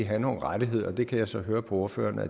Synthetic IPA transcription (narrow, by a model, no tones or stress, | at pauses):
iɦæno̝ːn̩ʁad̥iɦe̝ð̞̰ˠɐɒd̥e̝kʰæjɑ̈ɪsɒ̽ɦøːɐpʰɒ̽oɐfø̰ːɐnəæ